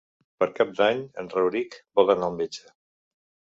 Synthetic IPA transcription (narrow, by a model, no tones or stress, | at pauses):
pəɾkap̚d̪aɲə̰nrəwɾikbɔlˠənaəlˠmed͡ʒə